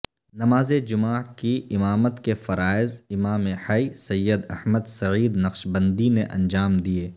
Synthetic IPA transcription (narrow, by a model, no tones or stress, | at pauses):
nɐmaːzed͡ʒʊmaːkiɪmaːmət̪kefɐɾaːɪzɪmaːmehɐisɐjːəd̪ɐhməd̪sɐʕiːd̪nɐqʃbɐ̃nd̪inḛʔɐ̰̃nd͡ʒaːmd̪ieː